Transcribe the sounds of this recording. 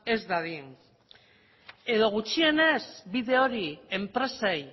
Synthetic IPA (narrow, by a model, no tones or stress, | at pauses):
e̞zd̪aði | e̞ðo̞ɣ̞ut͡ʃie̞nezbiðe̞oɾiempɾe̞sej